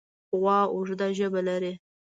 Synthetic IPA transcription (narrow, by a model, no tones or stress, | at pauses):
ɣwɑʊʐd̪aʒəbalaɾi